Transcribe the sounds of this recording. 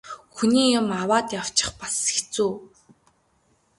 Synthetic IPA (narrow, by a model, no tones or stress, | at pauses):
xuniːjʊ̆mawaːt̪jaw̥t͡ɕɪ̆χpḁsxet͡suː